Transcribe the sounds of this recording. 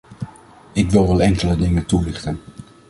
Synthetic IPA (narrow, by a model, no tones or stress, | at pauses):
ɪkʋɪlˠʋɛlˠɛŋkələdɪŋəntulɪχtən